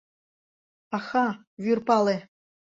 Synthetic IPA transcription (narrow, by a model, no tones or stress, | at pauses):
ɑxɑ | vyrpɑle